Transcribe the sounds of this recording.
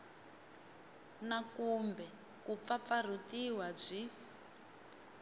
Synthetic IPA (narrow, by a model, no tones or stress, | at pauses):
nakumbɛ | kup̪fap̪far̤utiwab͡ʐi